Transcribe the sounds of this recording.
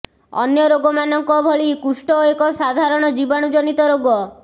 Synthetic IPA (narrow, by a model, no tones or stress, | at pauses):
ɔ̰njɔɾoɡɔmanɔŋkɔbʱɔɭikusʈɔekɔsad̪ʱaɾɔɽ̃ɔd͡ʒibaɽ̃ud͡ʒɔnit̪ɔɾoɡɔ